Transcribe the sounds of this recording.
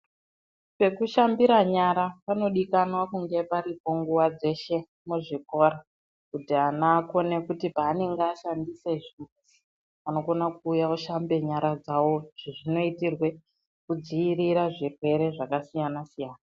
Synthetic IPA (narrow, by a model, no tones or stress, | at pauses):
pe̞kuʃambiɾaɲaɾapano̞ɗikanwakuŋɡe̞paɾipo̞ŋɡuwad͡ze̞ʃe̞ | muʐiko̞ːɾa | kutianaːko̞ne̞kutipaːne̞ŋɡeaʃandise̞ʐizi̥ | ano̞ɡo̞nakuːjauʃambe̞ɲaɾad͡zawo̞ʐiʐino̞itirwe̞ | kud͡ziiriɾaʐirwe̞ɾe̞ʐakasijanasijaːna